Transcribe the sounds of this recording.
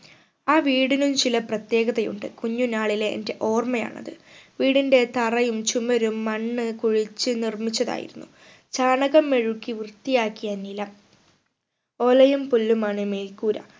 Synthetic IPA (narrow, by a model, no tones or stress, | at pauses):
aːʋiːɽinumt͡ɕilɐprɐt̪je̞ːɣɐðɐjṵɳɖɨkuɲːunaːɭileʔːnde̞ʔo̞ːrmɐja̰ːɳɐ̰ðɨʋiːɽinde̞t̪ɐrɐjumt͡ɕumɐɾumːɐɳːɨkuɻit͡ɕːɨnirmit͡ɕːɐða̰ːjḭɾunːu | t͡ɕaːɳɐɣɐmːe̞ɻukːiʋrt̪ːijaːkːijanilɐ | o̞ːlɐjumpulːumaːɳɨmeːlkuːɾɐ̰